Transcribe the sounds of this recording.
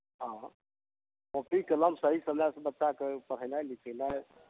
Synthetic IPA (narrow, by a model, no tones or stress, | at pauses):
ɦã | popikələmsəɦisəmasbətːʃakepəɽ̤əjlajlikʰəlaj